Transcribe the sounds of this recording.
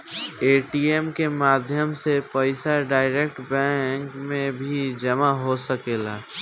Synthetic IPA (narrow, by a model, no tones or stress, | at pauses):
eːʈiemkemaːd̪ʱjəmsepəɪsaɖaːɪɾek̚ʈbɛ̃ŋkmẽbʱid͡ʒəmaɦosəkeːla